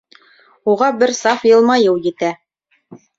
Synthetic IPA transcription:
uʁɑbɘɾsɑfjɤ̆lˠmɑjɤwjɘ̆t̪æ

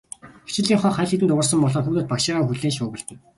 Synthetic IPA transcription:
xe̥t͡ɕɪ̆ɮiːŋχɔːχæɮxet̪ɘ̆nt̪ʊʁə̆rsə̆mpɔɮɔːxuːt̪oːt̪pakʃɪːʁaːxuɮeːnʃʊːɣɘ̆ɮt̪ɘ̆n

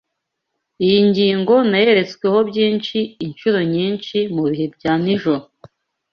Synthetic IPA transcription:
ijiɲɟiːŋɡo̞naje̞ɾe̞t͡skwe̞ho̞bjiːnʃiːnʃuɾo̞ɲiːnʃimuβihe̞bɟaːniʒoɾo

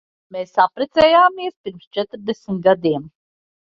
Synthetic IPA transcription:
meːsapɾɛt̪sɛːjaːmiɛspiɾmst͡ʃɛt̪ɾd̪esmit̪̚ɡad̪iɛm

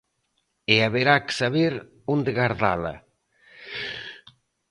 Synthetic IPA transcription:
eaβeɾake̥saβeɾ | und̪eɣaɾða̰lɐ̰

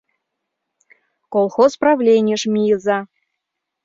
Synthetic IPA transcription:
kolˠxosprɑvlʲenʲɪjəʃmʲijəzɑ

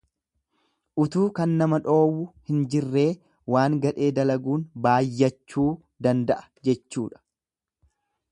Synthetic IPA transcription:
ʔʊt̪uːkɐnːɐmɐᶑo̞ːwʊhɪnd͡ʒɪrːe̞ː | waːŋɡɐᶑe̞ːd̪ɐlɐɡuːnbaːjːɐt͡ʃːuː | d̪ɐnd̪ɐʔɐ̥ | d͡ʒɛt͡ʃːuːᶑɐ̥

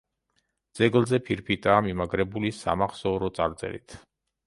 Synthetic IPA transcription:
d̪z̥ɛɡlˠzɛpʰiɾpʰit̪ʼaːmimaɡɾɛbulisa̰maχsɔːɾɔt̪sʼaɾt̪sʼɛ̰lḭt̪ʰ

